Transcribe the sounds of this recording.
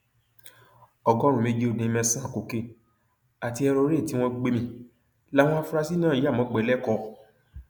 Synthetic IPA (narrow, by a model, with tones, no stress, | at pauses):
ɔ˨ɡɔ˦ɾ̃ũ˨mẽ˨˧d͡ʒe˧˦o˦˨dĩ˨˧mɛ̃˧sã˦˨ko˨ke˦˨ | a˨ti˧ɛ˧ɾo˧˦ɾe˦˨ti˨˦w̃ɔ̃˧ɡ͡be˧˦mĩ˧˨ | la˦w̃ɔ̃˧a˧fu˦˧ɾa˧si˦nãː˦˨˦a˦˨mɔ̃˨˦ɡ͡bɛ˨˦lɛ˦˨kɔ˧